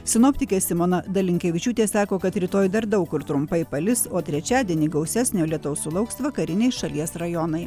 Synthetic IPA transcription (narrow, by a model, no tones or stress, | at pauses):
sʲɪnoːpʲt̪ʲɪkʲeːsʲɪmoːnɐd̪ɐlʲɪŋʲkʲɛʋʲɪt͡ʃʲuːt̪ʲeːsɑːkoːkɐt̪ɾʲɪt̪oːjd̪ɐɾd̪ɐʊkʊɾt̪ɾʊmpɐɪpɐlʲɪsoːt̪ʲɾʲɛt͡ʃʲæːd̪ʲiɛnʲiːɡɐʊsʲæːsʲnʲoːlʲiɛt̪oʊsʊlˠɐʊksʋɐkɐɾʲɪnʲɛɪʃɐlʲiɛsɾɐjɔnɐɪ